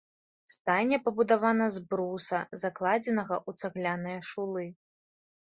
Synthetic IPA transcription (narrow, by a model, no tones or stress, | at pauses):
st̪anʲːɛpɐbud̪avanɐzbɾusɐzaklˠad͡zʲɛnɐɣɐʔut̪saɣlʲanɨjɐʂulˠɨ